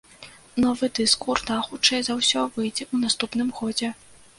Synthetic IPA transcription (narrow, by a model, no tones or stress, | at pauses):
nɔvɨd̪ɨskurd̪axut͡ʂɛjzawsʲɔvɨjd͡zʲɛʔun̪ast̪upnɨmɣɔd͡zʲɛ